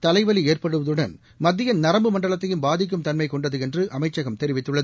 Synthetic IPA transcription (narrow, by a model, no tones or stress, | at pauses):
t̪ɐlɐɪʋɐlieːrpɐɽɯʋɐðɯɽɐn | mɐd̪ːɪjɐnɐɾɐmbɯmɐɳɖɐɭɐt̪ːɐjɯmbaːðɪk̬ːɯmt̪ɐnmɐɪkɔɳɖɐðɯɛndrɯʔɐmɐɪt͡ʃːɐɣɐmt̪ɛɾɪʋɪt̪ːɯɭːɐðɯ